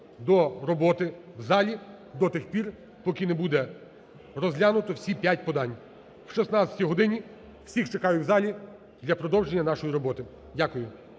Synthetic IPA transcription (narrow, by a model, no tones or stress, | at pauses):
d̪ɔɾɔbɔt̪ɪwzɑlʲi | d̪ɔt̪ɪxpʲir | pɔkinebud̪ɛ | rɔzlʲanʊt̪ɔwsʲipʲjatʲpɔd̪ɑnʲ | wʃisnɑt͡sʲɐ̥tʲiɦɔd̪ɪnʲi | w̥sʲixt͡ʃekɑjʊwzɑlʲi | d̪lʲɐpɾɔd̪ɔwʒenʲːɐnɑʃɔjiɾɔbɔt̪ɪ | dʲakʊjʊ